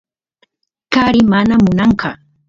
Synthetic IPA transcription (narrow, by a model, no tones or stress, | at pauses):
kaɾɪmanamʊnɑɴkɑ